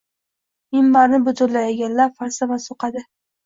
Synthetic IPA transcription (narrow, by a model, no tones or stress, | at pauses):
ɪmːaɾnɪbʊt̪ʰʊɾlajaɡʲanlaɾfaɾsavasoqɑd̪ɪ